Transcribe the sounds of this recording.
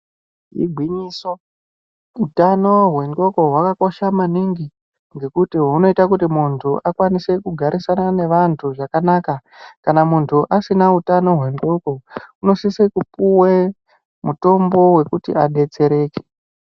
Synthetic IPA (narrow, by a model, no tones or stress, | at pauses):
ḭɡʱwiɲiːso | utano̞ɦwe̞ŋɡo̞ko̞ɦwakako̞ʃamaniŋɡi | ŋɡe̞kutiɦuno̞itak̬utimuntʰuʔakwanise̞kuɡʱaɾʔisanane̞ʋantʰuʐakanaːka | kanamuntʰuʔasinautano̞ɦwe̞ŋɡo̞ko̞uno̞sisekupuwe | muto̞mbo̞we̞kutḭaɗe̞t͡se̞ɾe̞ːke̥